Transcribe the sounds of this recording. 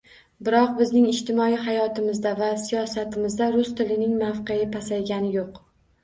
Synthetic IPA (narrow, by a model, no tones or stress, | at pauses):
bɪɾɒqbɪznɪŋɪʃt̪ɪmɒiɦajɒt̪ɪmɪzd̪avasijɒsat̪ʰɪmɪzd̪aɾʊst̪ʰɪlɪnɪŋmafqeɪpʰasajɡʲanɪjoq